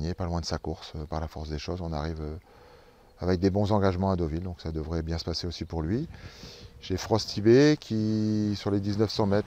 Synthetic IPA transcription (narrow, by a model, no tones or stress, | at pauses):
ɲepalwɛ̃d̪əsakuʁsøpaʁlafɔʁsd̪eʃozɔ̃na̰ʁivø | avɛk̚d̪ebɔ̃zɑ̃ɡaʒmɑ̃ad̪ovild̪ɔ̃ksad̪əvʁɛbjɛ̃sə̥paseosipuʁlɥi | ʃefχɑ̃st̪ʰibekʲʰisyʁled̪iznœfsɑ̃mɛt̪